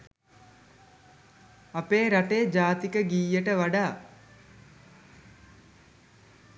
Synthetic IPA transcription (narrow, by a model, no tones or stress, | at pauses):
apeːɾaʈeːd͡ʒaːt̪ikəɡiːjəʈəʋaɖaː